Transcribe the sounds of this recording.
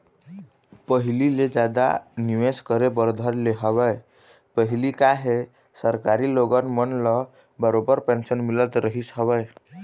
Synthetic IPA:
pəɦililed͡ʒad̪a̰niʋeskəɾebəɾd̪ʱəɾleɦəʋəe | pəɦilikaɦe | səɾkaɾiloɡənmənlə | bəɾobəɾpensənmilət̪ɾəɦisɦəʋə

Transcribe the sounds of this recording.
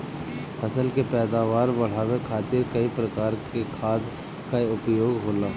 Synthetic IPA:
pʰɐsəlkepɛːd̪aːʋaːɾbɐɽ̤aːwekʰaːt̪ɪɾkɐipɾəkaːɾkekʰaːd̪ | kaiʊpjoːɡɦoːlaː

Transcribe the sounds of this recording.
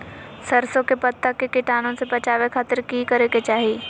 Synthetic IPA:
sɐɾsõkepɐt̪ːakekɪʈaːnõsebɐt͡ʃaːʋekʰaːt̪əɾkikɐɾeket͡ʃaːɦiː

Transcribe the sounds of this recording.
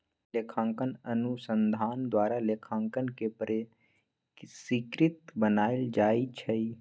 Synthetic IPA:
lekʰãːŋkənənusə̃nd̪ʱaːnd̪waːɾaleːkʰãːŋkənkepɾe | sikɾɪt̪bənaːeld͡ʒaːit͡ʃʰəi

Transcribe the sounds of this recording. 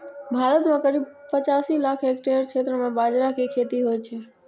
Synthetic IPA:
bʱaːɾət̪mẽkəɾiːbpət͡ʃaːsilaːkʰekʈeɾt͡ʃʰet̪ɾəmẽbaːd͡ʒɾakekʰet̪iɦoɛt͡ʃʰɛ

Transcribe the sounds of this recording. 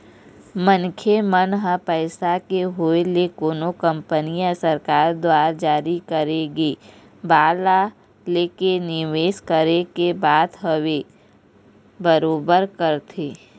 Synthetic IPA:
mənkʰemənɦəpəɪsakeɦoelekoːnokə̃mpənijasəɾkaːɾd̪waːɾd͡ʒaːɾikəɾeɡeː | baːla | leːkenɪʋeːʃkəɾekebaːt̪ɦəwe | bəɾoːbəɾkəɾt̪ʰeː

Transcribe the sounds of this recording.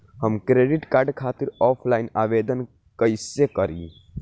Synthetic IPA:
həmkɾeɖiʈkaːɾɖkʰaːt̪iɾɔpʰlaɪinaːʋed̪ən | kəɪsekəɾḭ

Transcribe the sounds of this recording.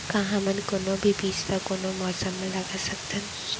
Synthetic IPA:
kaɦãmənkonobʱibiːt͡ʃt̪akonomɔːsəmːẽlɐɡasɐk̚t̪ən

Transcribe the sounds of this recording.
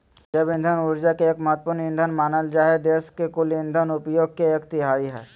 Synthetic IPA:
d͡ʒəbɪ̃nd̪ʱənʊɾd͡ʒakeeːkməɦət̪̚ːpʊɾnɪ̃nd̪ʱənmaːnəld͡ʒaːɦed̪eːskekʊlɪ̃nd̪ʱənʊpjoːɡ̚keeːkt̪ɪɦaːiɦɛ̰ː

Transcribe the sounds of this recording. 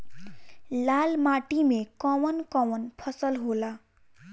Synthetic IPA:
lalmaʈimekɔmənkɔmənpʰʌsəlɦola

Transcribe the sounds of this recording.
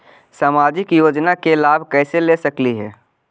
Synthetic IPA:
saːmaːd͡ʒɪkjoːd͡ʒnakelaːbʱkɛːselesɐkliɦɛ̰ː

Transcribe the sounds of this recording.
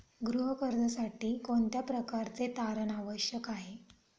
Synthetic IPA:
ɡɾuɦəkəɾd̪ʱəsaʈiːkoɳt̪japɾəkaɾt͡set̪aɾənaʋəɕjəkaɦe

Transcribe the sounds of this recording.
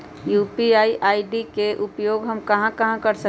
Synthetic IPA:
juːpiaːiʔaːiɖikeʔʊpjoːɡɦɐmkɐɦãkɐɦãkɐɾsə

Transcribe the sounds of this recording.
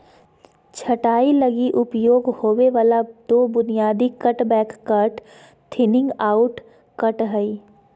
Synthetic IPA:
t͡ʃʰɐʈaːilɐɡiʔʊpjoːɡhoːʋeʋaːlad̪̥oːbʊnijaːd̪ikɐʈbɛːkːəʈ | t̪ʰɪnɪ̃ŋɡaːʊʈ | kɐʈɦəi

